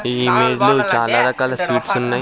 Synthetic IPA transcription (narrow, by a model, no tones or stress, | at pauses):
imeːɾloːt͡ʃaːlaɾɐkɐlswiːʈsʊnːa